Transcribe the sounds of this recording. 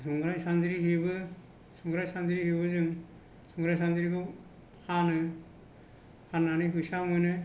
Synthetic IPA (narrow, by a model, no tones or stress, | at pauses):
sɯŋɡɾajsanzɾiɦibɯ | suŋɡɾajsanzɾihiβɯzɯŋ | suŋɡɾajsanzɾiɡɯ | hanɯ | hananikusamɯjnɯ